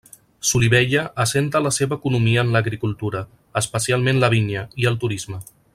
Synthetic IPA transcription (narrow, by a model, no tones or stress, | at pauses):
suliβɛʎəʔəsent̪ələseβəːkunumiəːnləɣɾikulˠt̪uɾə | əspəsialˠmẽnləβ̞injəiəlˠt̪uɾizmə